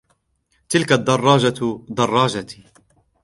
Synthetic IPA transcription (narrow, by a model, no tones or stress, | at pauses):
t̪ɪlkad̪ːɑrˤːɑːd͡ʒad̪ɑrˤːɑːd͡ʒa